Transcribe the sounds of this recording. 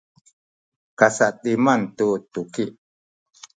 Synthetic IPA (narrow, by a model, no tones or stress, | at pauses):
kasaʔɗimant̪ut̪ukiʔ